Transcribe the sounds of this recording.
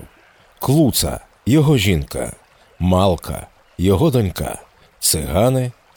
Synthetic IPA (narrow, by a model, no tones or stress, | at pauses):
klˠut̪sɐ̰ | jɔɦɔʒʲinkɐ̰ | mɑlˠkʰɐ̰ | jɔɦɔd̪ɔnʲka̰ | t̪sɪɦɑnɪ